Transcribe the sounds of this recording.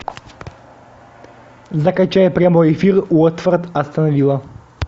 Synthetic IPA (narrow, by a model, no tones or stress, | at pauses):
zakat͡ʃaɛpɾɛmɔjifiɾuɔt̪vəɾt̪ast̪anɔvilˠa